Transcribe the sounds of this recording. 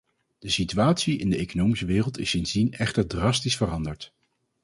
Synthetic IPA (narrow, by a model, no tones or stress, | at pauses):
d̥əsityaːtsiɪndəejkonowmisəʋɪːrəlˠtɪsɪnzdinɛχtəɹdrɑstisfərɑndəɹt